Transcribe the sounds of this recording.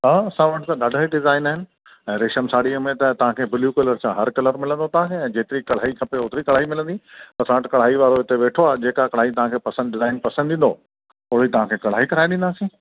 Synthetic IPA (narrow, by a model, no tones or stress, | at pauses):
aɐsãʋɐʈt̪ãɗaːɖʱəeɖɪzaːɪnaːɦɪnɪ̆ | ɛ̃ːɾeʃəmsaːɽiəmẽt̪ɐt̪ɐʋ̤ãkʰeːbɪljukɐləɾsãɦɐɾkɐləɾmɪlə̃nd̪ot̪ɐʋ̤ãkʰeɛ̃ːd͡ʑeːt̪ɪɾikɐɽ̤aːɦikʰɐpeʊːt̪ɪɾikɐɽ̤aːɦimɪlə̃nd̪ipɐsãəʈkɐɽ̤aːɦiʋaːɾoɪt̪eʋeːʈʰoaːed͡ʑeːkakɐɽ̤aːɦit̪ɐʋ̤ãkʰeːpɐsə̃nd̪ɖɪzaːɪnpɐsə̃nd̪d̪ĩːn̆d̪o̰ | oːɽit̪ɐʋ̤ãkʰeːkɐɽ̤aːɦikɐɾaːeɗɪ̃nd̪aːsĩː